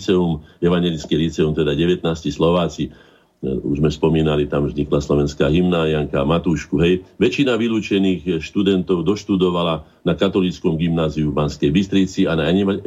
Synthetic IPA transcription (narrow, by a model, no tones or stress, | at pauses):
t͡sɛumɛʋaɲɛlit͡skɛlit͡sɛumt̪ɛd̪aɟɛʋɛt̪̚naːscislɔʋaːt͡si | ṵʒmɛspɔmiːnalit̪amzɲiklaslɔʋɛnskaːɦimnaːzɪaŋkamat̪uːʃkuɦɛjʋɛt͡ʃinaʋiluːt͡ʃɛniːxʃt̪ud̪ɛnt̪ɔʊd̪ɔʃt̪ud̪ɔʋala | nakat̪ɔlit͡skɔmɡimnaːziubanskɛjbist̪ɾit͡sianaɲɛma